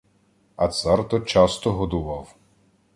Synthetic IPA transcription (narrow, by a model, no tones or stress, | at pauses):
ɐt̪sɑrt̪ɔt͡ʃɑst̪ɔɦɔd̪ʊʋɑw